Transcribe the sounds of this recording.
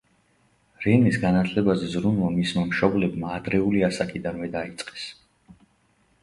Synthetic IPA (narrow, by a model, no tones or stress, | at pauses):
ɾɛnisɡanat̪ʰlɛbazɛzɾunvamismamʃɔblɛbmaːd̪ɾɛuliasakʼid̪anvɛd̪ait̪sʼqʼɛ̥s